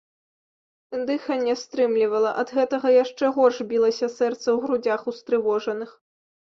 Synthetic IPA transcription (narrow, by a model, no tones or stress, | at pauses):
nd̪ɨxɐnʲɛst̪ɾɨmlʲivɐlˠɐʔɐd̪ɣɛt̪ɐɣɐjaʂt͡ʂɛɣɔrʐbʲilˠɐsʲɐsɛrt̪sɐwɣɾud͡zʲaxust̪ɾɨvɔʐɐnɨx